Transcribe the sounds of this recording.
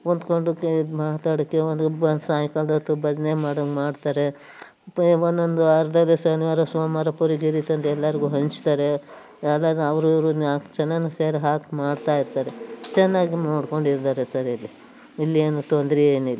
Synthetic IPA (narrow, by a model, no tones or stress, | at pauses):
ond̪ko̞ɳɖukmaːt̪aːɽɐkːeond̪ɐnsaːjikɐld̪ɐt̪ubɐd͡ʒnemaːɽɐkmaːɖt̪aːɾe̞ | onːond̪uɐɾd̪ɐlːesɐniʋaːɾɐsoːmɐɾɐpuɾiɡiɾit̪ɐnt̪ɛlːɐɾiɡuɦɐɲt͡ʃt̪aːɾe | ɐlːɐd̪ɐʋɐɾuɐɾuakt͡ʃɛnːɐnseːɾiɦaːkmaːɖt̪aːjiɾt̪aːɾet͡ʃɛnːaːɡimoːɽko̞ɳɖiɾt̪aːɾesɐɾilːi | ilːeːnut̪ond̪ɾieːnilːi